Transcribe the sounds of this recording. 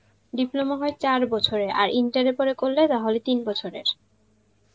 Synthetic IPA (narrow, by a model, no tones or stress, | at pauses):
ɖiplomoɦɔet͡ɕaɾbɔt͡ɕʰoɾeʔa̰ɾiɳʈaɾepoɾekolːet̪aɦolet̪inbɔt͡ɕʰoɾḛɾ